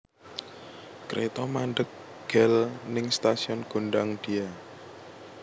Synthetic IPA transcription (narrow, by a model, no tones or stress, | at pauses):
kɾʔet̪ɔmaɳɖək̚ | ɡ̥ɛlnɪŋst̪asiɔnɡ̥o̤ɳɖaŋd̥i̤a